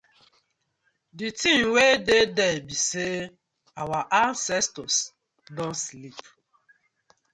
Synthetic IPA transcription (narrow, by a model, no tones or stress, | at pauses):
ditĩmwededɛbise | awaʔansɛstɔs | dɔnslip